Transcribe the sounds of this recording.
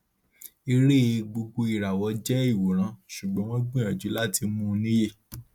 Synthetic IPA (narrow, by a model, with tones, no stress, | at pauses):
i˧ɾe˦e˧ɡ͡bo˧ɡ͡bo˧i˨ɾa˨wɔ˨˧˦d͡ʒɛ˦i˦˨wo˨ɾ̃ã˨˦ʃu˨ɡ͡bɔ̃˨˦w̃ɔ̃˦ɡ͡bĩ˦ã˨d͡ʒu˨˦la˦ti˧mũ˧˦˧nĩ˦je˦˨